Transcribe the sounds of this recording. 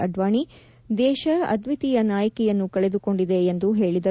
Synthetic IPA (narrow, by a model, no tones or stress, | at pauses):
ɐɖʋaːɳi | d̪ɛːʃɐɐ̰d̪ʋit̪ijɐnaːjɐkɛjɐnːukɐɭed̪uko̞ɳɖid̪e̞ːnd̪uɦe̞ːɭid̪ɐ